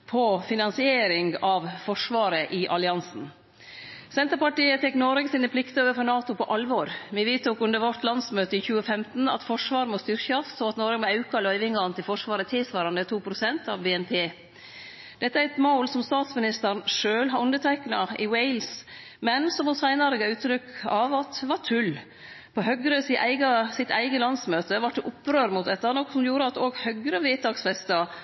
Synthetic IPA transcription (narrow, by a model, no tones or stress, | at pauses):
pʰɔfɪnɑnsɪeːɾɪŋɡɑʋfɔʂʋɑːɾəʔɪʔɑlɪɑnsn̩ | sɛnt̪əɾpɑʈiːət̪ʰɛkːnɔɾɛɡsinəpʰlɪkt̪əoːʋəɾfɔɾnɑːt̪ʊpʰɔʔɑlʋɔɾʋɪʋiːt̪uːkʉnd̪əɾʋɔt̪lɑnsmøːt̪əɪçʉːəfɛmt̪n̩ɑ̰t̪fɔʂʋɑːɾmɔst̪ʏɾçɑssɔɑt̪nɔːɾɡmɔɑʉkɑlœʏʋɪŋɑɑnt̪ɪlfɔʂʋɑːɾət̪ʰɪlsʋɑːɾɑnd̪ət̪ʰuːpʰɾʊsɛnt̪ʰɑ̰ʋbeːɛnpʰeː | d̪̥ɛt̪ːəæɾɛt̪moʊlsɔmst̪ɑːt̪smɪnɪst̪əɾnʂøːlɦɑɾʉnd̪ət̪ʰæɪknɑ̰ɪwɛɪls | mɛnsɔmɔsæɪnɑɾəɡɑʉːt̪ːɾʏkɑʋɑt̪ʋɑʈʰʉl | pʰɔhœɡɾəsɪʔæɪɡɑsɪt̪ʰæ̰ɪɡəlɑnsmøːt̪əʋɑʈ̚d̪ɛʔʊpɾøːɾmʊt̪̚d̪ɛt̪ːɑnɔkːsɔmjuːɾəɑt̪oːɡhœɡɾəʋeːt̪ɑksfɛst̪ɑ